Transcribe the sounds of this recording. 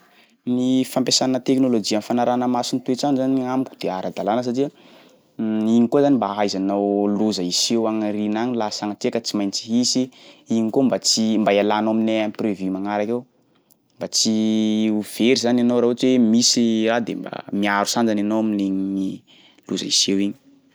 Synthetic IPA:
nifampesannət̪eknolod͡ʒianfanaɾanəmasinit̪uet͡sanzaniamikʲu̥d̪̥eaɾad̪alanəs̬aʈ͡ʂia | iɲikozanimbaɦajzanawluzaisewaŋrinaɲilasaŋat̪ekat͡simajnt͡siɦisiiɲikombat͡simbaialanamineamiprevymaŋaɾakew | mbat͡siuv̥eɾizananawɾaɦot͡ʃwemisiɾad̪ḛmba̰miaɾusand͡ʒananowmineɲii | luza̰isewiɲi̥

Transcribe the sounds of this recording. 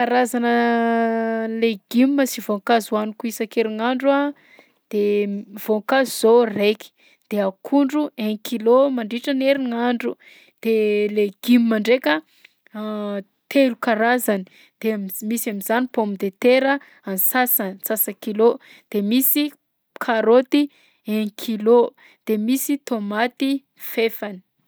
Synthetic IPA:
kaɾazanə | leɡ̥imːəsivoŋkazuanukuisakeɾiŋaɳɖ͡ʐa | d̪̥ev̥oŋkazuzoreki̥ | d̪̥eakʰuɳɖ͡ʐueŋkilomaɳɖ͡ʐiʈ͡ʂəneɾiŋaɳɖ͡ʐu | d̪̥eleɡ̥imimaɳɖ͡ʐekə | t̪ʰelukaɾazani | d̪̥eammisamizanipomid̪et̪eɾə | ansasəsasəkilo | d̪̥emisi | kʰaɾot̪i | eŋkʰilo | d̪̥emisit̪omat̪i | fefani̥

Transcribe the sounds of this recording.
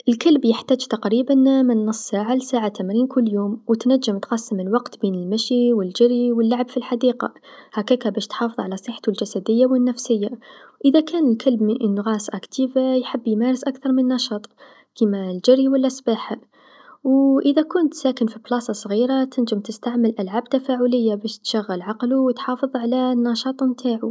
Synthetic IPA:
ʔɪlkalbjəħt̪æːd͡ʒt̪aqɾiːbanmɪnːɑsˤːsaːʕalsaːʕat̪amɾiːnkʰʊlːjuːmwt̪næd͡ʒːɪmt̪qɑsːəməlwɑqt̪biːnɪlmæʃiwɪld͡ʒɪrːiwɪlːaʕbfilħad̪iːqɑ̰hækæːkabæːʃt̪ħɑːfɨðˤʕalæsˤəħt̪uld͡ʒæsæd̪ɪjːawɪnːæfsɪjːaʔɪðakæːnɪlkʰalbmɪʔnːɣɑːsʔækt̪iːvajħɪbːjmæːɾɪsʔakθɑɾˤmɪnːɑʃɑːt̪ˤ | kimald͡ʒɪriwalːasˤbaːħa | wʔɪðakʊnt̪sæːkɪnfiblɑːsɑsˤɣiːɾat̪ɪnd͡ʒɪmt̪ɪst̪aʕməlʔalʕaːb̚t̪afaʕʊlɪjːabæːʃt̪ʃaɣːalʕɑqluwt̪ħɑːfɨðˤʕalanːɑʃɑːt̪ˤmt̪ʰaːʕu

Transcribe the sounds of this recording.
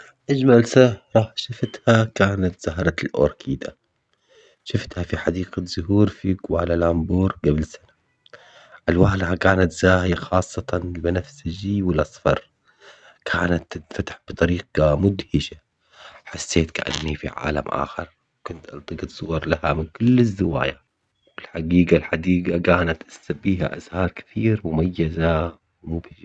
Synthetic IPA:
ʔad͡ʒmalsahɾˤɑʃɪft̪hakaːnat̪z̥aɦɾˤɑlʔo̰ːɾˤkʰiːd̪a | ʃɪft̪hafiħad̪iːqaz̥ʊɦuːɾfiɡwalalʔambuːɾɡablsana | ʔalwaːlhakaːnat̪z̥aːhɪjaxɑːsˤːɑt̪anlmanafsɪd͡ʒiwɪlʔɑsˤfɑ̰ɾˤ | kʰaːnat̪ːɪfat̪ḁħb̥ɨt̪ˤɑɾiːqɑmʊd̪hɪʃa | ħasːeːt̪ka̰ʔa̰nːifḭʕa̰ːla̰mʔa̰ːxɪɾˤ | wkʊnt̪ʔɑlt̪ˤɨɡɨt̪sˤʊwɑɾˤlahamɪnkʊlːɪzːɪwa̰ːja | wɪlħaɡiːɡalħad̪iːɡakaːnat̪ʔasabiːɦa̰ʔa̰zhɑːɾˤkɪ̥θiːɾmʊmajːaza | wmʊb

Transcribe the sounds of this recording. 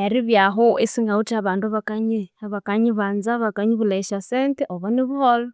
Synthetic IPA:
eɾiβjaɦoisiŋɡautaβaːnduaβakaɲiaβakaɲiβaːnzaβakaɲiβulaiʃaseːnteʔoβaniβuholo

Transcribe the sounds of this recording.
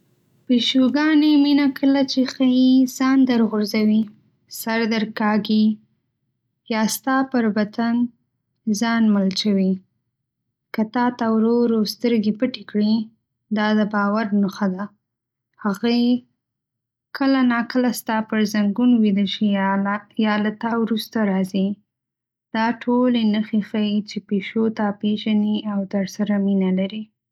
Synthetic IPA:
peʃuɡɑneminakʰəlat͡ʃexaiz̥ɑnd̪əɾɣʊɾzawi | saɾd̪əɾkɑɡi | jɑst̪ɑpəɾbat̪an | zɑnməlt͡ʃawi | kat̪ɑt̪awɾoɾast̪əɾɡipəʈekɽi | d̪ɑd̪əbɑwaɾnʊxad̪a | haɣaj | kʰəlanɑkəlast̪ɑpəɾzaŋɡunwid̪əlʃi | jɑlat̪ɑwɾust̪aɾɑzi | d̪̥ɑʈʰolenəxexajit͡ʃepeʃot̪apeʒaniawt̪əɾsaɾaminalaɾi

